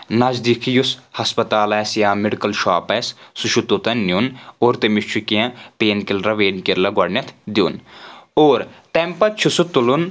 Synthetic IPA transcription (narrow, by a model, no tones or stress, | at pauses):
nɐd͡ʒd̪ikʰijushɐspɐt̪aːlɛːsjaːmɪɖikɐlʃaːpɛːssuʃut̪ot̪ɐnːjunoːɾt̪emiʃt͡ʃʰukijãpeːnkilɾɐʋeːnkiɾlɐɡɐɖnʲɐt̪ʰd̪jṵːnoːɾt̪empɐt͡ʃʰusut̪ːulun